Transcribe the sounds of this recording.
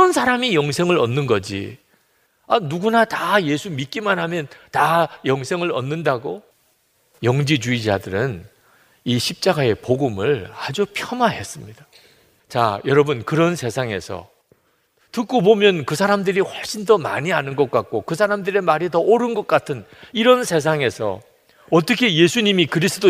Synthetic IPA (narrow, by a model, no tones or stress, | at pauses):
ʌnsʰaɾamijʌŋsʰe̞ŋɯɾʌnːɯnɡʌd͡ʑḭ | anuɡunataje̞sʰumit̚k͈imanɦamjʌntajʌŋsʰe̞ŋɯɾʌ̰nːɯndaɡo | jʌŋd͡ʑid͡ʑuid͡ʑadɯɾɯn | iɕʰip̚t͡ɕ͈aɡae̞poɡɯmɯɭad͡ʑupʰjʌmaɦe̞s͈ɯmɲid̥a | t͡ɕa̰jʌɾʌbɯnkɯɾʌnsʰe̞sʰaŋe̞̰sʰʌ̰ | tɯk͈obomjʌnkɯsʰaɾamdɯɾiɸwʌɭɕ͈indʌma̰ɲianɯnɡʌk͈̚at̚k͈okɯs̬ʰaɾamdɯɾe̞maɾitʌʔoɾɯnɡʌk̚k͈atʰɯniɾʌnsʰe̞s̬ʰaŋe̞sʰʌ̰ | ʌt͈ʌkʰe̞je̞sʰuɲimikɯɾis͈ʰɯdo